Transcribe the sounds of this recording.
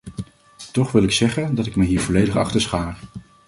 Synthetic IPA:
tɔχʋɪlˠɪksɛχəndɑtɪkməɦiːɹvɔlejdəχɑ̰χtəɹsχaːɹ

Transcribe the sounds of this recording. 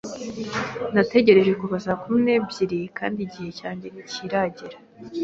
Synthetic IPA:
nate̞ɟe̞ɾe̞ʒe̞kuβasaːkumine̞bɟiɾikʰa̰ːndiɟihe̞caːɲɟe̞niciɾaɟiɾa

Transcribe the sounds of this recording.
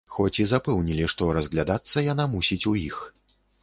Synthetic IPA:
xɔt͡sʲizapɛwnʲilʲiʂt̪ɔɾɐzɣlʲad̪at̪sːɐjan̪amusʲit͡sʲujix

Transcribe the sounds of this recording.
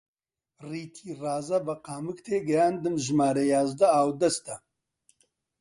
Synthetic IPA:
riːt̪ʰiːraːzɐbɐqaːmɨkt̪ʰeːɡɐjaːnd̪ɨmʒmaːɾejaːzd̪ɐaːwd̪ɐst̪ɐ

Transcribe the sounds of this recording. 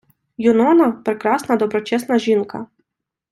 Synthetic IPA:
jʊnɔnɐpɾekɾɑsnɐd̪ɔbɾɔt͡ʃɛsnɐʒinkɐ

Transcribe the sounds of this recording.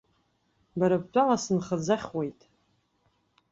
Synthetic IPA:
baɾap̚t͡pʷʼalasɨnχad͡zaχʲwejtʼ

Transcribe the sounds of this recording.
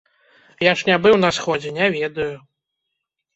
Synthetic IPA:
jaʂnʲabɨwnɐsxɔd͡zʲɛnʲavʲɛd̪ɐju

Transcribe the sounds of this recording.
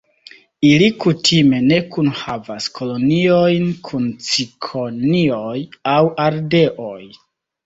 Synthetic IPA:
ilikutʰime̞ne̞kunhavaskʰo̞lo̞nio̞jnkʰunt͡sikʰo̞nio̞jawʔaɾde̞ʔoj

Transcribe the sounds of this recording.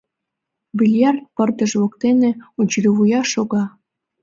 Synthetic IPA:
bilʲjɑrt̪̚pɤ̆rd̪ə̆ʒβŏkt̪enĕut͡ɕlʲiβujɑʃoɣɑ

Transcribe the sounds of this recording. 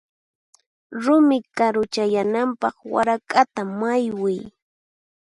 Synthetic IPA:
ɾʊmɪkaɾʊt͡ʃajanampɑχwa̰ɾakʼat̪amajwɪj

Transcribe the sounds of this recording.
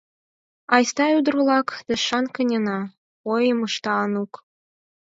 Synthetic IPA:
ɑjst̪ɑud̪rulˠɑkd̪̥ə̆ʃɑnkə̆nʲenɑ | ojɤmɤʃt̪ɑnuk

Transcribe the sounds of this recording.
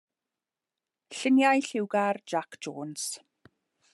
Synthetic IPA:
ɬɪnjajɬɪwɡard͡ʒakd͡ʒoːns

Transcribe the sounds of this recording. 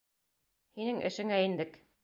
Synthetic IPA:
hinɘŋʔɘ̰̆ʃɘ̆ŋæind̪ɘk

